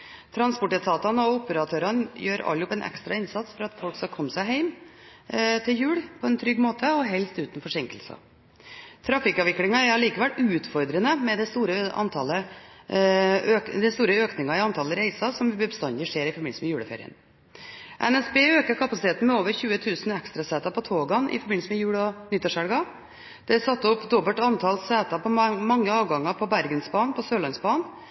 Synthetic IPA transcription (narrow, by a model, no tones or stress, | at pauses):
t̪ʰɾɑnspɔʈɛt̪ʰɑːt̪ɑnəɔʊpəɾɑt̪ʰøːɾɑnjøːɾɑ̰lːʊpɛnʔɛ̰kst̪ɾɑɪnsɑt̪sfɔɾɑt̪fɔlkskɑkʰɔmːsæɪɦæɪm | t̪ʰɪljʉːɽpʰɔɛnt̪ʰɾʏɡːmoːt̪əɔɦɛlst̪ʉːt̪n̩fɔʂɪŋkəlsə̰ | t̪ʰɾɑfɪkɑːʋɪklɪŋɑɛɾɑliːkəʋɛlʔʉːt̪fɔɾd̪ɾənəmɛd̪ɛst̪uːɾəʔɑ̰nt̪ʰɑlə | økd̪ɛst̪uːɾəøːknɪŋɑɪɑnt̪ʰɑlːəɾæɪsɑsɔmʋɪbəbəst̪ɑnd̪ɪʂeːɾɪfɔɾbɪnsəmɛjʉːɽəfḛɾɪ̰ə̰n | ʔɛnɛsbeːøːkəɾkʰɑpɑsɪt̪ʰeːt̪n̩mɛoːʋəɾçʉːət̪ʰʉːsnɛkst̪ɾɑsɛːt̪ɑpʰɔt̪ʰoːɡɑnʔɪ̰fɔɾbɪnsəmɛjʉːɽɔnɪt̪ːɑʂɛlɡɑ | d̪̥ɛsɑt̪ːɔpːd̪ɔbəlʈ̪ɑnt̪ʰɑlsæːt̪ɑpʰɔmɑŋːəɑːʋɡɑŋːɑpʰɔbæɾɡənsbɑːnpʰɔsøːlɑnsbɑːn